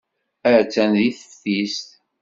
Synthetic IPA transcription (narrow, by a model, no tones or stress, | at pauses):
əɾt͡sːænðiθə̥fθist̪